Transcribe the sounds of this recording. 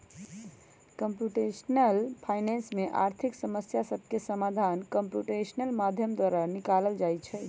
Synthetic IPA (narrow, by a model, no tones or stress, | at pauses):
kəmpjuʈesnəlpʰajnensmeʔaɾt̪ʰiksəməsjasəbʱkesəmad̪ʱankəmpjuʈesənəlmad̪ʱjəmd̪waɾanikaləld͡ʒajt͡ʃʰɛ